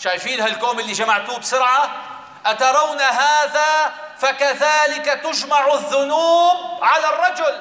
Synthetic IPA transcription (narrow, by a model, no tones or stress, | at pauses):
ʃajfiːnhalkoːmɪlːiʒamaʕt̪uːbsʊɾʕa | ʔat̪ɑɾˤɑwnaɦaːða | fakaðaːlɪkat̪ʊd͡ʒmaʕaðːʊnuːb̚ʕalarˤːɑd͡ʒʊl